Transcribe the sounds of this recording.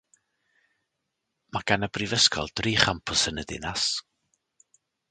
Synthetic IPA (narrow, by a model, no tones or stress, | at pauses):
maɡ̥anəbrivəskʰɔ̰lˠd̥riːχampʰʊsənədɪ̰nas